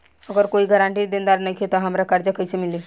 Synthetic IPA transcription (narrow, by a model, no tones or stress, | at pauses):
ɐɡəɾkoːiɡəɾãːɳʈid̪ẽnd̪aːɾnɐikʰet̪oɦɐmɾakɐɾd͡ʒəkəisemɪli